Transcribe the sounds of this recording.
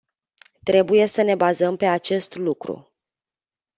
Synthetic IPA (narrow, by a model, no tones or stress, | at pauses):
t̪ɾe̞buje̞səne̞bazəmpe̞at͡ʃe̞st̪lukɾṵ